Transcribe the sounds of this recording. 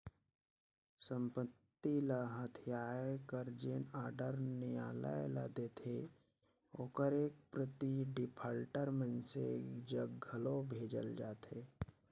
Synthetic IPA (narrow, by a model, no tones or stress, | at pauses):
sə̃mpət̪ːilaɦət̪ʰijaːekəɾd͡ʒeːnaːɾɖəɾnɪja̰ːla̰jla̰d̪eːt̪ʰe | oːkəɾeːk̚pɾət̪iɖɪpʰaːlʈəɾmənsḛd͡ʒəɡʱəlobʱeːd͡ʒə̰ld͡ʒaːt̪ʰeː